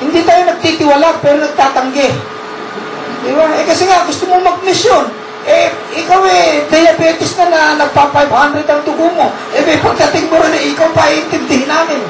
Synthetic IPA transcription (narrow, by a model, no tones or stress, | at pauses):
hɪnd̪it̪aːjo̞nɐɡ̚t̪it̪ɪwalaɡ̚pɛːɾonɐɡ̚t̪aːt̪ɐŋɡɛ | d̪ɪbaʔɛkɐsɛŋaɡʊst̪omoŋmɐɡ̚mɪsjon | ʔɛ | ʔɪkawɛd̪ɐjɐbɛːt̪ɪsnɐnɐnɐɡ̚papajbhand̪ɾɛd̪ɐŋt̪ʊkʊmo̞ | ʔɛmɛjpɐɡ̚t̪ɐt̪ɪŋmoɾɪnɛʔɪkawpaʔiʔɪnt̪ɪnd̪ɪhɪnaːmɪn